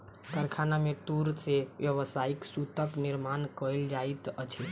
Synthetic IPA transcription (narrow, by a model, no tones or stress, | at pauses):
kəɾkʰanameʈuɾseʋjəβəsaiksut̪əkniɾmankəld͡ʒait̪ət͡ʃʰɛ